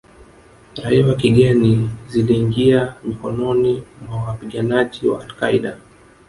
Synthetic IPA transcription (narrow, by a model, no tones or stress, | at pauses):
ɾaiwakiɠɛniziliːŋɡiamikɔnɔnimwawapiɠanaʄiwa̰ːlkaiɗa